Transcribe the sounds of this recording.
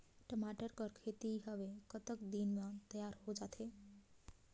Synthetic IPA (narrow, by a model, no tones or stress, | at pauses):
ʈəmaʈəɾkəɾkʰet̪iɦəbekət̪əkd̪inmat̪əjaɾhod͡ʒat̪ʰe